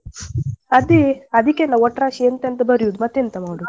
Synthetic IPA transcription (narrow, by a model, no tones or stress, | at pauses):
ɐd̪iɐd̪ikːenːɐɔʈɾaːʃient̪ent̪ɐbɐɾijud̪umɐt̪ːent̪ɐmaːɽu